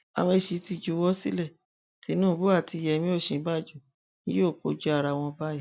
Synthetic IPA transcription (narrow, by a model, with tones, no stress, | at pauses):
a̰˨˧wẽ˧˨ʃi˧˦ti˧d͡ʒu˨˧wɔ˦sḭ˦lɛ˦˨ | ti˨˧˦nũː˦˨˦bu˦a˦˨ti˧˦jɛ˧mĩ˦o˦˨ʃĩ˨˦ba˦˨d͡ʒu˦˨ | nĩ˦jo˦˨ko̰˧˦d͡ʒu˦a˦˨ɾa˧w̃ɔ̃˧ba˦jɛ˦˨